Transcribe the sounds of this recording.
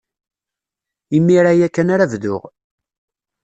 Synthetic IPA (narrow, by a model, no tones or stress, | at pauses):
imːiɾajækːænaɾævðʊ̰ʁ